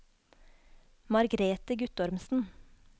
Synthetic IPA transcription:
mɑɾɡɾeːt̪əɡʉt̪ɔɾmsn̩

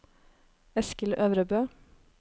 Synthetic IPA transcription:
ɛskəløːʋɾəbøː

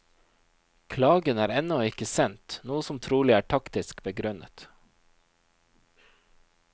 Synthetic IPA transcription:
kʰlɑːɡənæːɾɛnɔɪkəsɛnt̪nuːəsɔmt̪ʰɾuːlɪæːʈʰɑkt̪ɪskbəɡɾʉnʔə̰t̪

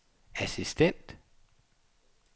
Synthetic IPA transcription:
æsisd̥en̰d̥

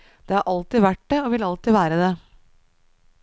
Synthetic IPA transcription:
d̪̥eːhɑɾʔɑlt̪ɪʋæʈ̚d̪eoːʋɪlɑlt̪ɪʋæːɾəd̪e

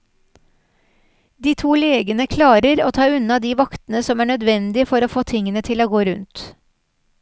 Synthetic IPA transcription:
d̪iːt̪ʰuːleːɡənəkʰlɑːɾəɾoːt̪ʰɑːʉnɑd̪iːʋɑkt̪ənəsɔmæːɳœd̪ʋɛnd̪ɪfɔɾoːfoːt̪ʰɪŋːənət̪ʰɪloːɡoːɾʉnt̪

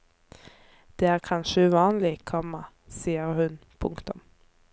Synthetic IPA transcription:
d̪̥eːæːʁkʰɑnʃəʉʋɑːnlɪkʰɔmːɑ | siːəʁhʉnpʰʊŋkt̪ʊm

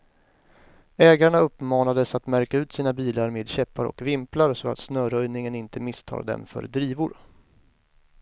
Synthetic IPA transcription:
ɛːɡaɳaɵpːmɑːnad̪əsat̪mæɾkaʉ̟ːt̪siːnabiːlaɾmeːd̪ɕɛpːaɾɔ̰kvɪmplaɾsɔa̰t̪snœːɾœjnɪŋənɪnt̪əmɪst̪ʰɑ̰ːɾd̪ɛ̰mfœ̰ɾd̪ɾiːvʊɾ

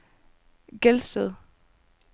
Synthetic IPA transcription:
ɡ̥elsd̥əðˠ

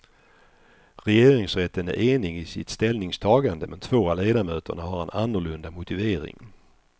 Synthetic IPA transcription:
ɾɛjeːɾɪŋsɾɛt̪ːənæ̰ɾʔeːnɪɡɪsɪt̪st̪ɛlnɪŋst̪ʰɑːɡand̪əmɛnt̪ʰv̥oːaleːd̪amøːt̪ʰə̰ɳaɦaɾɛnanːʊɭɵnd̪amʊt̪ɪveːɾɪ̰ŋ

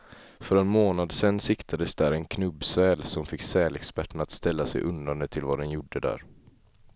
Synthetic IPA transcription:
fœɾɛnmoːnad̪sɛnːsɪkt̪ʰad̪əsd̪æːɾɛnkʰnɵbːsɛːlsɔmfɪkːsɛːlɛkspæʈːəɳat̪st̪ɛlːasɛ̰jʔɵnd̪aɳd̪ət̪ʰɪlvad̪ɛnjʊɖːəd̪æ̰ːɾ

